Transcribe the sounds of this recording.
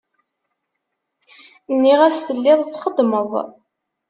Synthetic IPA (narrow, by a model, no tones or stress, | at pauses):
nːiʁæsθəlːɪðˤfχəd̪məðˤ